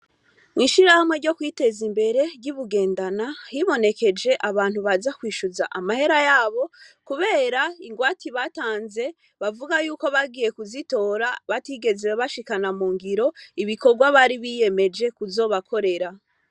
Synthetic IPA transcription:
ŋiʃiɾahamwe̞ɾɟo̞kwiːte̞zimbe̞ɾe̞ɾɟiβuɡe̞ːndanahiβo̞ne̞ke̞d͡ʒe̞ʔaβaːn̥huβazakwiːʃuzaʔamahe̞ɾajaːβo̞kuβe̞ːɾaiŋɡwaːtiβataːnze̞ | βavuɡajuːko̞βaɡije̞kuzito̞ːɾaβatiɡe̞zeweβaʃikanamuːŋɡiɾo̞iβiko̞ɾɡwaβaɾiβije̞me̞d͡ʒe̞kuzo̞ːβakʰo̞ɾe̞ɾa

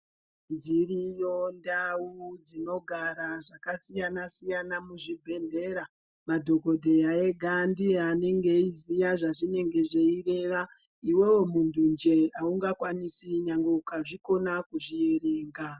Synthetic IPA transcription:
nzirijo̞ndaud͡zino̞ɡʱaɾaʐakasijanasijanamuʐibʱe̞nde̞ɾa | madʱo̞ɡʱo̞dʱe̞jae̞ɡʱandiane̞ŋɡe̞izijaʐaʐine̞ŋɡe̞ʐeire̞ʋa | iwe̞wo̞mundund͡ʒe̞auŋɡakwanisiɲaŋɡokaʐiko̞nakuʐije̞ɾe̞ːŋɡa

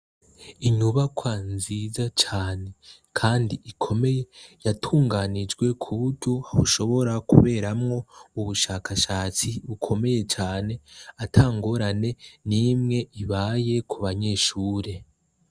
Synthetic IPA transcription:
iɲuβakʰwanziːzat͡ʃaːne̞kʰaːndiʔikʰo̞me̞je̞jatʰuːŋɡaːnid͡ʒɡwe̞kʰuβuɾɟo̞hahṵʃo̞βo̞ɾakṵβe̞ːɾamŋo̞uβuʃaːkʰaʃaːt͡siβukʰo̞me̞je̞t͡ʃaːne̞atʰaːŋɡoɾane̞nimŋe̞iβaːje̞kʰuβaɲe̞ːʃuːɾe̞

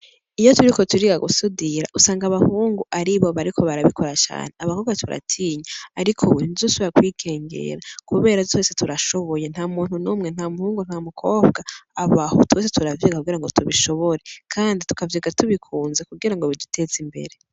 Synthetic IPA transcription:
ijotuɾiko̞tuɾiɡaɡusudiɾa̰ʔusaːŋɡaβahuːŋɡuʔaɾiβo̞βaɾikʰo̞βaɾaβikʰo̞ɾat͡ʃa̰ːn̥eaβahoːβɡatuɾa̰tʰiːɲaaɾikʰowenizusuakwiːɡe̞ːŋɡe̞̰ɾakuβe̞ːɾazo̞ːsetuɾaʃo̞βo̞jen̥haːmuːnhunuːmŋe̞nhaːmuhuːŋɡun̥hamukʰo̞ːbɡaːβaho̰tweːs̬etuɾavjiːɡakuɡiɾaŋɡo̞tuβiʃo̞βo̞ɾe̞kʰaːnditu̥kaviːɡatuβikʰuːnzekuɡiɾaŋɡoβidutʰe̞zimbe̞̰ɾe̞

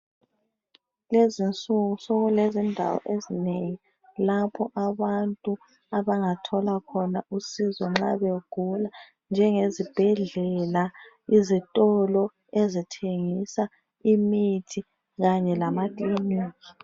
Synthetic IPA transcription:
lezint͡sʼuɣusɔɣulezindʱa̰wɔ̰ʔezineŋi | lapʰɔʔaβantʼu | aβaŋatʰɔlakʰɔnausizɔŋ͡ǁaβeɡ̥ʱula | nd͡ʒʱɛŋezib̥ʱɛɮɛla | izitʼɔlɔ | ezitʰeŋisa | imitʰi | ɣaɲɛlamatʼliniːki

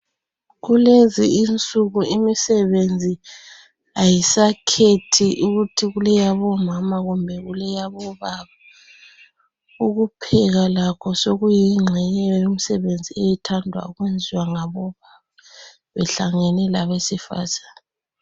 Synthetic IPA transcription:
ɣuleziint͡sʼuɣuimisɛβend͡zʱi | ajisakʰetʰiʔuɣutʰiɣulɛjaβɔmamaɣumbʱɛɣulɛjaβɔβaβa | uɣupʰɛɣalakʰɔsoɣujiŋ͡ǁʱɛɲɛɛjum̩sɛβend͡zʱiejitʰandʱwa̰uɣwend͡zʱiwaŋaβɔβaβa | βɛɬaŋɛnɛlaβesifa̰zaːni

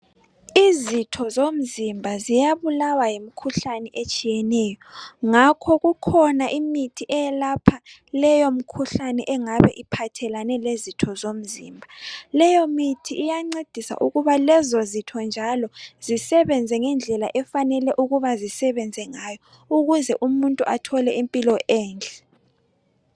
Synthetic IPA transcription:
izitʰɔzom̩zimbʱazijaβulawajem̩kʰuɬanɛʔet͡ʃʼijɛnɛːjɔŋakʰɔɣukʰɔnaʔimitʰiʔɛɛlapʰa | lɛjom̩kʰuɬanɛʔɛŋaβɛ̰ʔipʰatʰɛlanɛlezitʰɔzom̩zḭːmbʱalɛjɔmitʰiːjaŋ͡ǀed̥ʱisa̰ʔuɣuβalɛzozitʰɔnd͡ʒʱalɔzisɛβɛnd͡zʱɛŋɛnd͡ɮʱɛla̰ʔɛfanɛlɛʔuɣuβazisɛβɛnd͡zʱɛŋajɔ | uɣuzɛʔumuntʼuʔatʰɔlɛʔimpʼilɔʔɛːnd͡ɮʱɛ

